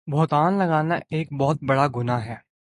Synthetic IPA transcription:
bʱoːt̪aːnlɐɡaːnaʔeːk̚bɔɦʊt̪̚bɐɽaɡʊnaɦɛː

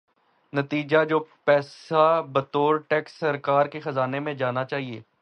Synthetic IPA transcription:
nɐt̪iːd͡ʒad͡ʒoːpɛːsabɐt̪oːɾʈɛːksːɐɾkaːɾkexɐzaːnemẽd͡ʒaːnat͡ʃaːɦiḛː

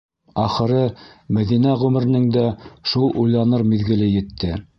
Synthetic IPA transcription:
ɑχɤ̆ɾɤmæðinæʁʉmɘ̆ɾ̆nɘŋd̪æʃulˠʔujlˠɑnɤɾmiðɡɘ̆lɘjɘ̆t̪ʰːɘ

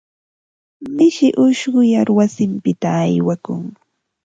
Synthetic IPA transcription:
mɪʃɪʔʊʃɢʊjaɾwasɪmpɪt̪aːjwakʊŋ

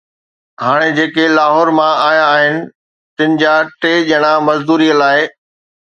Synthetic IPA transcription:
ɦaːɽ̃ed͡ʑeːkelaːɦɔːɾmãaːjaːɦɪnɪ̆ | t̪ɪnɪ̆d͡ʑaʈeːʄəɽ̃amɐzd̪uːɾiːəlaːɪ

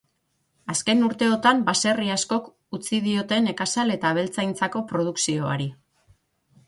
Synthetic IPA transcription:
aske̞nuɾt̪e̞ot̪ambase̞riasko̞k | ut͡siðio̞t̪e̞ne̞kasale̞t̪aβ̞e̞lt͡sajnt͡sako̞pɾo̞ð̞uksio̞a̰ɾi

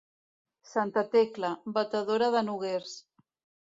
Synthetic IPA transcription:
sant̪at̪eklabat̪aðoɾaðənuɣeɾs

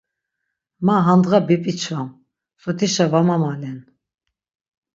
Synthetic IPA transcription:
maɦand̪ʁabipʼit͡ʃʰvam | sɔt̪ʰiʃavamamalɛn

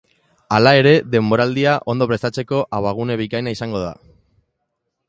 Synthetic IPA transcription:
alae̞ɾe̞ðe̞mbo̞ɾald̪iaʔo̞nd̪opɾe̞st̪at͡se̞ko̞ʔaβaɣ̞une̞β̞ikajnaisaŋɡo̞ða̰

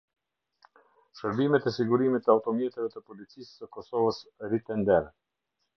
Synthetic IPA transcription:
ʃəɾbimɛt̪ɛsiɡuɾimit̪əaut̪ɔmjɛt̪ɛvɛt̪əpɔlit͡sisːəkɔsɔvəsɾit̪ɛnd̪ɛɾ

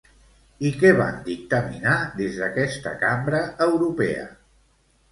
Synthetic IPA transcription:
ikɛβa̰nd̪ik̚t̪əminaðezðəkɛst̪ə̰kambɾəəwɾupɛ̰ə̰

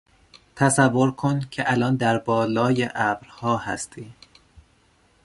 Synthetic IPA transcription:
t̪ʰæsævːo̞ɾkʰoncʲʰe̞ʔælɒːnd̪æɾbɒːlɒːjeʔæbɾhɒːhæ̰st̪ʰiː

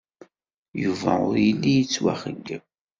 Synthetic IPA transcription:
juvæʊɾjilːijət͡sːwæ̰χəɡːəm

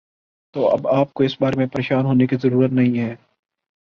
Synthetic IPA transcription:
t̪oːʔɐ̰baːp̚koɪsbaːɾemẽpɐɾeːʃaːnɦoːnekizɐɾuːɾət̪nɐɦĩɦɛː

